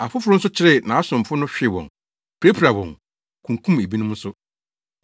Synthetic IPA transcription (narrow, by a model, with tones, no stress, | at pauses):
a˨fʊ˦fʊ˦ɾʊ˦n̩˦sʊ˦t͡ɕʰɪ˦ɾɪ˦nã˨a˦sʊ̃˨m˨fʊ˦nʊ̃˦ɕᶣɪ˦˨wɔ̰̃˨n | pʰɾe˦pʰɾa˨wɔ̃˨n | kʰũ˨ŋkʰũ˦me˨bi˦nʊ̃˦mn̩˦sʊ˦